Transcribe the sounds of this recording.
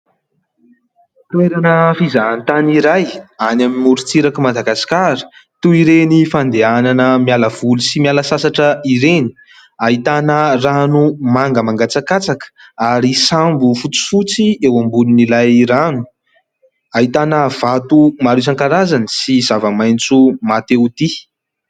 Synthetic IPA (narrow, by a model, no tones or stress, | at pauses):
t̪uweɾanəfizant̪aniɾajanamimuɾut͡siɾakimad̪aɡasi̥kaɾə̥t̪uiɾenifand̪eananəmijaləv̥ulusimialəsasaʈ͡ʂəiɾeni̥ | aɦit̪anəranumaŋɡəmaŋɡat͡sakat͡sakə̥aɾisambufut͡si̥fut͡siewambulunilajranu | aɦit̪anəv̥at̪umaɾus̬aŋkaɾazanisizavəmajnt͡sumat̪eut̪i